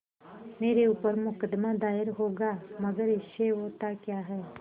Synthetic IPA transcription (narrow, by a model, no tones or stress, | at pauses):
meːɾeupəɾmʊkəd̪mad̪aːɪɾɦoːɡaməɡəɾeʃeɦot̪akjaɦɛː